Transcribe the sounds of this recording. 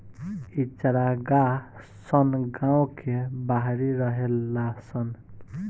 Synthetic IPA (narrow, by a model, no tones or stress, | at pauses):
it͡ʃɾaɡa | sʌnɡãw̃kʰebaɦɾiɾʌɦelːasʌn